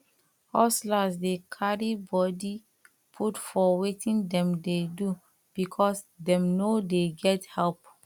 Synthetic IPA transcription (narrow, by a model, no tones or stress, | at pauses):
hɔslasdekʰaɹibɔdi | pʰutfɔwetĩndɛ̃mdedu | b̥ikʰɔs | dɛ̃mnodeɡɛthɛlp